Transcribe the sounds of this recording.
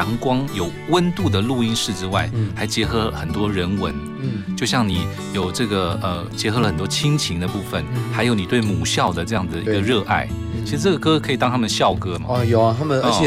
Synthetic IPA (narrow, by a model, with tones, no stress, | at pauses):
ɑ˧˥ŋkwɑ˥ŋjo˨˩ʊwə˥nt̪u˥˩d̪ə˩lu˥˩i˥nʂɻ̩˥˩ʈ͡ʂɻ̩˥wa̰˥˩ɪxa˧˥ɪt͡ɕjɛ˧˥xɤ˧˥xə˨˩nt̪wɔ˥ɻə˧˥nwə̰˧˥n | t͡ɕjo˥˧ʊɕjɑ˥˩ŋni˨˩˦ | jo˨˩ʊʈ͡ʂɤ˥˩ɡə˩ə˧ | t͡ɕjɛ˧˥xɤ˧˥lə˧xə˨˩nt̪wɔ˥t͡ɕʰi˥ŋt͡ɕʰi˧˥ŋd̪ə˧pu˥˩fə̰˨˩nxa˧˥ɪjo˧˥ʊni˨˩t̪we˥˩ɪmu˨˩ɕjɑ˥˩ʊd̪ə˩ʈ͡ʂɤ˥˧jɑ˥˩ŋd͡z̩̪˩ə˩i˧˥ɡə˧ɻɤ˥˧ʔa̰˥˩ɪ | t͡ɕt͡ɕʰi˧˥ʂɻ̩˧ʈ͡ʂɤ˥˩ɡə˩kɤ˥kʰɤ˧˥i˨˩t̪ɑ˥ŋt̪ʰa˥mə˨nɕjɑ˥˩ʊkɤ˥mɐ̰˨˧jo˨˩˧t̪ʰa˥mə˨˧˥